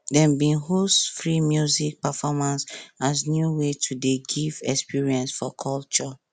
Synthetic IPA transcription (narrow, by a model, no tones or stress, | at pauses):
dɛ̃mbĩnɦostfɹimjuzik̚pafɔmãnsaznjuwetʰudeɡivɛkspiɹiɛ̃nsfɔkʰɔlt͡ʃɔ